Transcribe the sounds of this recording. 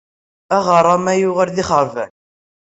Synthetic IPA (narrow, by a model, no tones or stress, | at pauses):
æʁəɾˤːɑmæjʊʁəɾðiχəɾˤvæ̰n